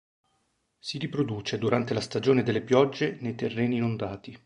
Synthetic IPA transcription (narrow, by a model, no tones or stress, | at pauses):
siɾipɾod̪uːt͡ʃed̪uɾant̪elast̪ad͡ʒoːned̪elːepjɔd͡ʒːenejt̪erːɛːniːnond̪aːt̪i